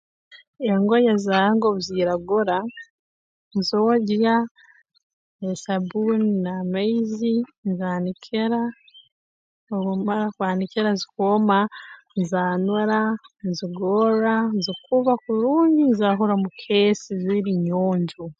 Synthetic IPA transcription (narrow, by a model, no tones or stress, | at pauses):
eŋɡojazaːaŋɡoβuziɾaɡoɾa | nzoːɟja | esabunnamaizinzaːnikʰeɾa | oβumaɾakwaːniceɾazikoma | nzaːnaɾanziɡoɾanzikuβakuɾuːɲɟinzaɦoɾamukʰesiziɾiɲoːɲɟu